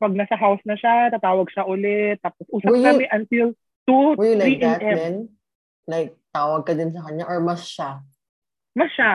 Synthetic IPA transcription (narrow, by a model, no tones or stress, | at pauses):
pɐɡ̚nɐsɐɦawsnɐʃat̪at̪aːwɐɡ̚ʃaʔʊlɛt̪ːaːposʔuːsɐp̪̚amɛʔɐnt̪il | t̪ulaɾiʔiʔɛmɛn | lajk̚t̪aːwɐɡ̚kɐd̪ɪns̬ɐkɐɲaʔɔɹmɐsʃa | mɐsʃa